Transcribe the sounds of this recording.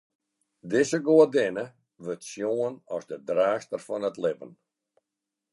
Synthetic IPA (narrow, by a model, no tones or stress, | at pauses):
dɪsəɡoədɪnə | ʋøtsjoənɔzdədraːstərfɔnətlɪbə̰n